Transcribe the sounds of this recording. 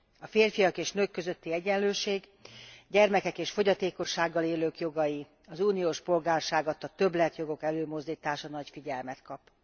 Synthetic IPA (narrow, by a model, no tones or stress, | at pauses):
ɒfeːrfijɒkeːʃnøːkːø̞zøt̪ːiɛɟɛnløːʃeːɡ | ɟɛrmɛkɛkeːʃfo̞ɟɒt̪eːko̞ʃːaːɡːɒleːløːkjo̞ɡɒji | ɒzuːnijoːʃpo̞lɡaːrʃaːɡɒt̪ːɒt̪ø̞blɛt̪jo̞ɡo̞kɛløːmo̞zd̪iːt̪aːʃɒnɒcfiɟɛlmɛt̪kɒp